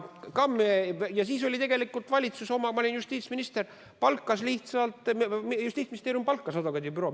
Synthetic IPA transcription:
kɑmːjɑsiːs̬o̞lʲit̪e̞ɡe̞likːˑult̪vɑlʲit̪suso̞mɑmɑlenjust̪iːt̪sminist̪e̞r | pɑlkːˑɑsliht̪sɑlt̪ˑjust̪iːt̪sminist̪eɾjumpɑlkːˑɑsɑd̪okɑd̪ʲibyɾo̞

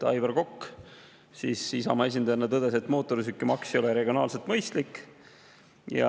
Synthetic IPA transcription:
t̪ɑjveɾko̞kː | sisisɑ̰mɑe̞s̬ʲind̪ɑjɑnːɑt̪ɤd̪̥ese̞t̪ːˑmo̞ːt̪ːˑo̞ɾisykːˑimɑksio̞lɛɾe̞ɡio̞nɑ̰ːlse̞lt̪mɤjst̪likː | jɑ̰

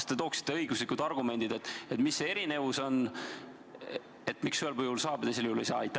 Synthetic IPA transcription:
t̪e̞t̪o̞ːksi̥t̪ˑːe̞ɤjɡuslikːud̪̥ɑrɡume̞nd̪̥id̪e̞t̪ːˑet̪misːeeɾine̞vuso̞n | e̞t̪ːmiksyelpɤjulsɑːb̥t̪esiljuhule̞jsɑːɑjt̪ːæ

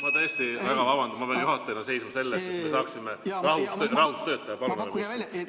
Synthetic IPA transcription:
mɑt̪ɤst̪ivæɡ̥ɑvɑbɑnd̪umːɑpeɑnjuɦɑt̪ːˑejnɑse̞jsmɑse̞lːest̪et̪me̞sɑːksimerɑɦust̪rɑhust̪ø̞ːt̪ːˑɑjɑpɑnuemis

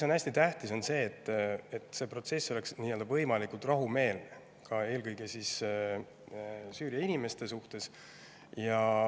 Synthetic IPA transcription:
iso̞næsʲt̪it̪æht̪iso̞nse̞ːt̪ːˑet̪ːˑse̞ːpro̞t̪se̞sːo̞le̞ksniːje̞ld̪ɑvɤjmɑlikult̪rɑɦume̞ːlne | kʰɑe̞ːlkɤjɡ̥esis | syːɾijɑinime̞st̪e̞suht̪e̞s | jɑ

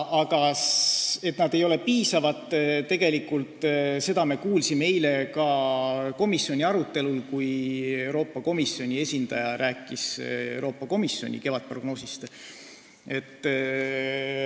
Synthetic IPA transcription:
ʔɑɡɑ | e̞t̪nɑd̪̥e̞jo̞le̞piːsɑvɑt̪ˑːt̪ːe̞ɡ̥e̞likːult̪ːˑse̞d̪ɑme̞kuːlsimeejle̞kɑko̞misjo̞nʲiɑɾut̪ːe̞lulkuje̞wɾo̞ːpːɑko̞misjo̞nʲie̞sʲind̪ɑjɑɾʔæːkːˑisewɾo̞ːpːɑko̞misːjo̞̰nʲḭke̞vɑt̪̚pro̞ɡ̥no̞ːsist̪ | e̞t̪ːˑ

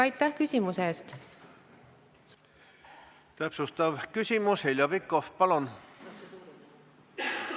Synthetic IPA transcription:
ɑjt̪ːˑæhkysʲimuseːst̪ | t̪æpsust̪ɑvkysʲimushelʲjɑvikːofpɑlon

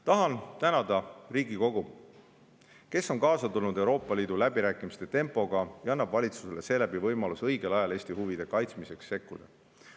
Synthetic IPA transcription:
t̪ɑɦɑnt̪ænɑd̪̥ɑriːɡiko̞ɡ̥u | ke̞sːo̞ŋkɑːsɑt̪ulnud̪e̞wɾo̞ːpːˑɑliːd̪̥ulæbiɾæːkːˑimist̪e̞t̪e̞mpˑo̞ɡ̥ɑjɑɑnːɑb̥vɑlʲit̪suse̞le̞se̞ːlæbivɤjmɑlusɤjɡ̥e̞lɑjɑle̞ːsʲt̪ihuvid̪̥e̞kɑjt̪smise̞ksːe̞kːud̪̥ɑ̰

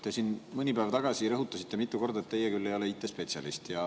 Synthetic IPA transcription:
t̪e̞sinmɯnʲipæːvt̪ɑɡ̥ɑsiɾɤɦut̪ːˑɑsit̪ːe̞mit̪ːˑuko̞rd̪ɑet̪ːejːekylːe̞jo̞leit̪ːˑespe̞t̪sʲɑ̰list̪jɑ

